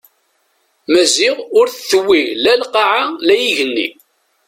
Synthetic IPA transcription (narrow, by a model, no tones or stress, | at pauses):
mæzɪʁʊɾθθəwːilælqɑʕalæjiʝənːḭ